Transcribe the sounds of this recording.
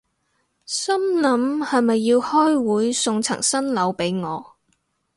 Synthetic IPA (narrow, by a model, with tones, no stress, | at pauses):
sɐ˥mlɐ˨˥mhɐ˨jmɐ˨jːiː˧whɔː˥jwuː˨˥jsʊ˧ŋt͡sʰɐ̰˨˩ŋsɐ˥nlɐ˨˧wpe˨˥jŋɔː˨˧